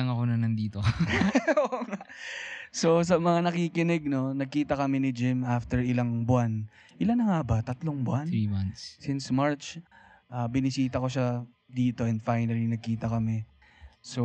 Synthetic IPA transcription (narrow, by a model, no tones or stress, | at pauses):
ɐŋɐkonɐnɐnd̪iːt̪o | oŋa | so̞s̬ɐmɐŋanɐkiːkɪnɛɡ̚no̞nɐɡ̚kiːt̪ɐkɐmɛnɪd͡ʒɪmʔaft̪ɛɹɪlaŋbʊʔan | ʔɪlanːɐŋabɐt̪ɐt̪loŋbʊʔanimanssɪnsmaɹt͡ʃ | ʔaːbɪnɪsiːt̪ɐko̞ʃa | d̪iːt̪o̞ɛnd̪fajnɐlinɐɡ̚kiːt̪ɐkɐmɛ | so